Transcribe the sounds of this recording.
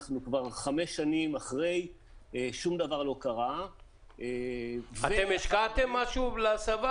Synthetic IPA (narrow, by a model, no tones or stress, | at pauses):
χnukvaʁχameʃːanimaχʁe̞j | eʃumd̪avaʁlo̞kaʁa | evaet̪emeʃkat̪emːaʃulasava